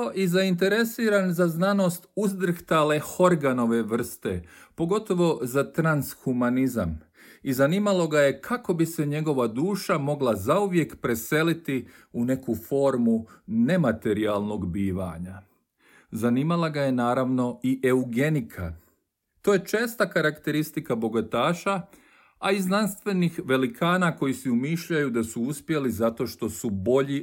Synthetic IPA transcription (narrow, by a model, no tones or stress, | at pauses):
oʔizaint̪̬e̞ɾe̞siːɾanzaznano̞st̪uzd̪r̩xt̪ale̞ho̞ɾɡano̞ʋe̞ʋr̩st̪ḛpo̞ɡo̞t̪o̞ʋo̞zat̪ɾansxumaniza̰m | izaniːmalo̞ɡajekʰako̞bise̞ɲe̞ɡo̞ʋad̪uːʃamo̞ɡlazauʋje̞kpɾe̞se̞lit̪i | une̞kufo̞ːɾmune̞mat̪e̞ɾialˠno̞ɡbiːʋa̰ɲa | zaniːmalˠaɡaje̞naːɾaʋno̞iʔeuɡe̞nikʰa̰ | t̪o̞je̞t͡ʃe̞ːst̪akaɾakt̪e̞ɾist̪ikabo̞ɡot̪aːʃa | aiznanst̪ʋe̞nixʋe̞likʰaːnako̞jisiumiːʃʎajud̪asuuspje̞lizat̪o̞ʃt̪o̞subo̞ʎi